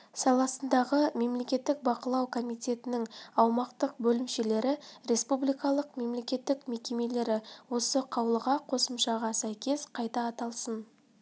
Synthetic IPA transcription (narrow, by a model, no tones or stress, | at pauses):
sɑlˠɑsənd̪ɑʁəme̞mle̞kʲe̞t̪ːɪk̚bɑqəlˠɑwkʰo̞mijt̪ʲe̞t̪ɪnɪŋɑwmɑqt̪əq̚bɵlɪmʃe̞le̞ɾɪɾe̞spublijkɑlˠəqme̞mle̞kʲe̞t̪ːɪkme̞kʲe̞me̞le̞ɾɪwo̞səqʰɑwəlˠəʁɑqʰo̞səmʃɑʁɑsæjkʲe̞sqʰɑjt̪ɑːt̪ɑlˠsən